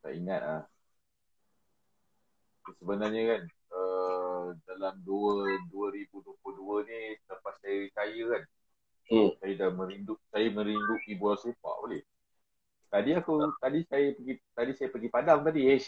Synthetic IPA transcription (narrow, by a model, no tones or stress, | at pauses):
sa̰ʔiŋat̪̚ah | səbənarɲəkan | ə | dalamduəduəɾibuduəpluduəniləpasːajəɾit̪ajəkan | sajədamə̃ɾindʊʔ̚sajamə̃ɾindʊʔibualsepa̰ʔolɛh | t̪adiakut̪adisajəpəɡit̪adisajəpəɡipadaŋt̪adiɛs